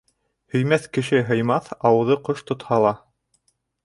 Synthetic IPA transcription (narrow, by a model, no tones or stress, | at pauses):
hɵ̆jmæθkɘ̆ʃɘɦɤ̆jmɑθɑwɤ̆ðɤqoʃt̪ŏt̪hɑlˠɑ